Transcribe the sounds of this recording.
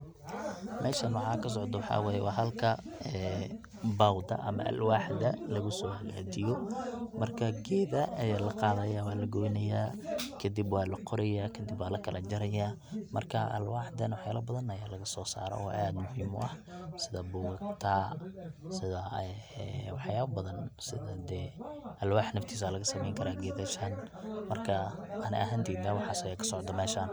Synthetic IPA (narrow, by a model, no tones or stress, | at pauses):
mɛːʃɐnwɑħɑːkʰɐs̬ɔʕd̪ɐwɑħɑ̰ːwɛːjɛwʔɑːɦɐlkʰɐɛː | bawd̪ɐ̰ʔɐ̰mɐ̰ʔɐ̰lwɑːħd̪ɐlɐɣʊsɔːhɐɣaːd͡ʒɪjɔmɐrkʰɐɡɛːðɐɐjaːlɐqɑːðɐjaːwɑːlɐɡɔːjnɐjaːkʰɐd̪ibwɑːlɐqɔɾɛjaːkʰɐd̪ibwaːlɐkʰɐlɐd͡ʒɐɾɐjaː | mɐrkʰɐʔɐ̰lwɑːħd̪ɛnwɑħjaːlɐbɐðɐnɐjaːlɐɣɐsɔːsa̰ːɾɔ̰ɔːʔaːd̪mʊhiːm̰ʔɐhsɪðɐbʊwɐɡt̪ʰaːsɪðɐɛwɑħjaːβɐbɐðɐnsɪðɐd̪ɛːɐlwaːħnɐft̪ʰiːs̬aːlɐɣɐsɐmɛjŋkʰɐɾaːɡɛːðɐʃɐnmɐrkʰɐɐn̰ɐ̰ɦaːnt̪ʰid̪ɛːwɑħɑːsɔjɛkʰɐ̥sɔʕd̪ɐmɛːʃaːn